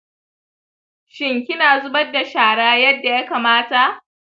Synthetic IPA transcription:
ʃɪ˨ŋkʲɪ˦naː˨zʊ˦bɐ˦dːa˨ʃaː˨ɽaː˦jɐ˦dːa˨jaː˦kaː˨maː˦ta˨ʔ

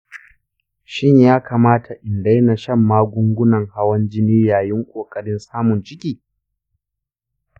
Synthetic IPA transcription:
ʃɪ˦ɲjaː˦kʰaː˨maː˦tʰa˨ʔɪ˨nda˦jna˨ʃɐ˦˨mːaː˦ɡʷʊ˦ŋɡʷʊ˦nɐ˨ŋha˦wɐ˦nd͡ʒɪ˦niː˦jaː˨jɪ˦ŋkʷʼoː˨kʼɐ˦ɽɪ˦nsaː˦mʊ˨nt͡ʃɪ˦kʲiː˨˦

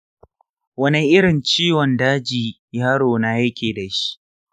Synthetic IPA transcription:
wɐ˦ni˦ʔɪ˦ɽɪ˨nt͡ʃiː˦wɔ˨ndaː˦d͡ʒiː˨ | jaː˦ɽoː˨na˦jɐ˦kʲeː˨da˨ʃi̥˦ʔ

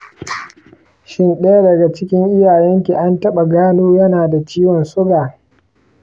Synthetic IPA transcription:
ʃɪ˦nɗe˦ja˦dɐ˨ɡa˨t͡ʃɪ˦kʲɪ˦ŋʔɪ˦jaː˨jɛ˦ŋkʲi˨ʔa˦ntɐ˦ɓa˨ɡaː˦noː˦jɐ˦naː˨da˨t͡ʃiː˦wɔ˨nsʊ˦ɡaː˨

